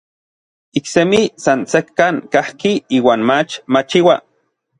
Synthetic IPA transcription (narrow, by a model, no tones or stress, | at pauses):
iksemisansekːaŋkahkiiːwaːnmat͡ʃmat͡ʃiwa̰